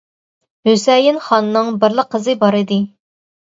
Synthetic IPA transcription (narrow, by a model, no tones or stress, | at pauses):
høsɛjɪnχɑnːɨŋbɪɾlˠəqʰːəzɨbɑɾɨd̪ɨ